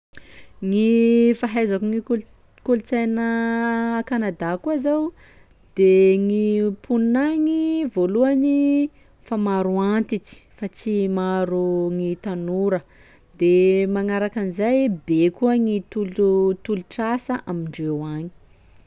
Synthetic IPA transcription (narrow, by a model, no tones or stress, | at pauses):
ŋifaɦajzakuŋik | kolut͡sajnə | kanad̪akuazaw | d̪̥eŋipʰunnaŋivoluani | famaɾuant̪it͡si̥fat͡simaɾuŋit̪anuɾə | d̪emaŋaɾakanizajbekuəŋit̪ulut̪uluʈ͡ʂasəʔamiɳɖ͡ʐewaɲi̥